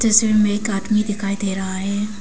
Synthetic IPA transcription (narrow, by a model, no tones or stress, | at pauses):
d͡ʒɪsemɛ̃ɪkaːd̪mid̪ɪkʰaːid̪eːɾaɦaɦɛː